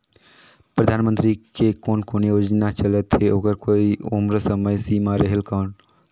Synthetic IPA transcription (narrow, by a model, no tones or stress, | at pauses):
pɾɐd̪ʱaːnmə̃nt̪ɾikekoːnkoːnijoːd͡ʒnat͡ʃələt̪ɦeoːɡəɾkoːiʊmɾsəməjsimaɾeɦelkɔːn